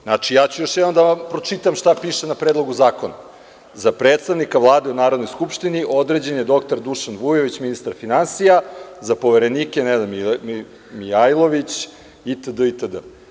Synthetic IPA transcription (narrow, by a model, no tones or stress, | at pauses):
nat͡ʂijaːt͡ɕujo̞ʃjɛd̪nomd̪apɾot͡ʂit̪amʃt̪apiːʃenapɾed̪lˠoɡuzaːko̞na | zapɾeːt̪st̪aʋnikaʋlˠaːd̪eunaːɾod̪nojskupʃt̪iniʔo̞d̪ɾed͡ʑenjed̪o̞kt̪oɾd̪uʃanʋujeʋit͡ɕminist̪aɾfinansijazapo̞ʋeɾe̞niːkenɛznamil | miajlˠoʋit͡ɕ | it̪əd̪əit̪əd̪ə̰